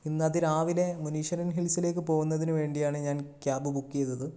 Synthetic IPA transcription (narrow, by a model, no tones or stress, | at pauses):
inːɐðiɾaːʋile̞muniːʂɐɾɐnɦiɭsile̞ːkːɨpo̞ːɣunːɐðinɨʋe̞ːɳɖijaːɳɨɲaːnkjaːbɨbukːijɐðːɐðɨ